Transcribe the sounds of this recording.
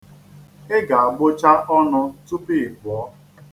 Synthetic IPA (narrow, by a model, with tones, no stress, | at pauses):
ɪ˦ɡa˨a˨ɡ͡bʊ˦t͡ʃa˦ʔɔ˦nʊ˦tu˦pi˦ɪ˨ɡ͡bʊ˨ɔ˦